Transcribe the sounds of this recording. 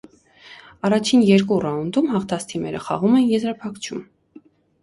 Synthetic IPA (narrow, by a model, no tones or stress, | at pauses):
ɑrɑt͡ʃʰinjɛɾkurɑund̪umhɑχt̪ʰɑst̪ʰimɛɾə̰χɑ̰ʁumɛnjɛzɾɑpʰɑkt͡ʃʰum